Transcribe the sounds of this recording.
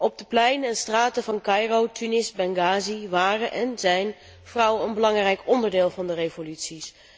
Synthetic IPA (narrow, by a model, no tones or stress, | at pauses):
ɔb̚dəplɛjnəɛnstraːtəvɑnkɑjrowtynɪsbɛŋɡaːziʋaːrəʔɛnzɛjn | v̥rʌwəənbəlɑŋrɛjkɔndəɹdɪːlˠvɑndərevolytsis